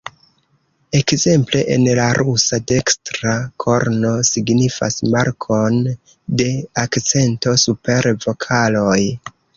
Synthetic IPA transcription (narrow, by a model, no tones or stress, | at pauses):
e̞kze̞mple̞ʔḛnlaɾʔusade̞kstɾakʰo̞ɾno̞siɡnifa̰smaɾkʰo̞n | de̞akt͡se̞nto̞supe̞ɾvo̞kʰalo̞j